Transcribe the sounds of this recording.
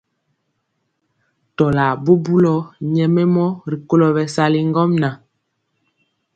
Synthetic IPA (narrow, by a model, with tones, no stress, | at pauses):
tɔ˨la˨bo˦bu˦lɔ˨ɲɛ˨mɛ˦mɔ˦ɾi˨ko˦lɔ˨bɛ˨sa˦li˦ŋ˦ɡɔ˦mna˨